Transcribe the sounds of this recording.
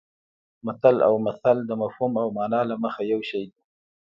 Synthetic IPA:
mat̪ala̰wmaθald̪əmafhumawmɑnɑlaməxajawʃajd̪i

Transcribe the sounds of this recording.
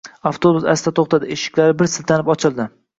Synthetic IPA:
aft̪ʰobʊsa̰st̪at̪ʰoχt̪ʰad̪ɪeʃɪ̥kʲlaɾɪbɪɾsɪlt̪ʰanɪpɒt͡ʃʰɪlˠd̪ɪ

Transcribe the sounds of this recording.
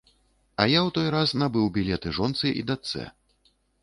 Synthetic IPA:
ɐjawt̪ɔjɾasnabɨwbʲilʲɛt̪ɨʐɔnt̪sɨʔḭd̪at̪sɛ̰

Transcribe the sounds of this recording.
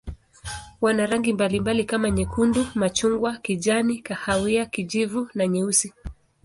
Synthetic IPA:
wanaɾaŋɡimbalimbalikamaɲɛkundumat͡ʃuŋɡwakiʄanikahawiakiʄivunaɲiusi

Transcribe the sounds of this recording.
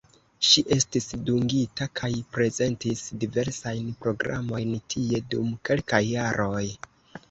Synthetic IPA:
ʃiʔe̞stisduŋɡitakʰajpɾe̞ze̞ntisdive̞ɾsajnpɾo̞ɡɾa̰mo̞jntʰie̞dumke̞lkajːaɾʔo̞j

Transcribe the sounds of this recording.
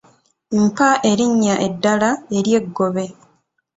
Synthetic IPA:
mpaʔe̞ɾiɲːaʔe̞dːalae̞ɾje̞ɡːo̞βe̞

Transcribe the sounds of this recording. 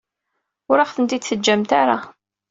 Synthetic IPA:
ʊɾaχθənt̪id̪θəd͡ʒːæmt̪aɾa

